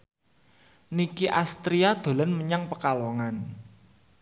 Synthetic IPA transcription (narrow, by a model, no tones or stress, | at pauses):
nikiʔast̪ɾiad̪̥o̤lənməɲaŋpəkaloŋan